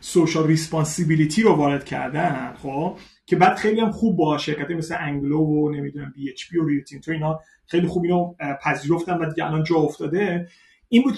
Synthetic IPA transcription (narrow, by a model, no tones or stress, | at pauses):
soʃɒlrispɒnsibiliːt̪ʰiːɾovɒːɾe̞d̪̚cʰæ̰ɾd̪æn̥χoːb | cʰe̞bæːd̪xe̞jlijæmχuːbːɒʃe̞ɾcæt̪ʰɒjmesleʔæŋɡlovone̞mid̪unæmbiet͡ʃʰpʰioɾiut̪ʰint̪ʰoiːnɒː | χe̞jlixuːbiːnopʰæziːɾo̞ft̪ændvæd̪iɟeælɒːnd͡ʒɒːoft̪ɒːd̪e | iːnbuːd̪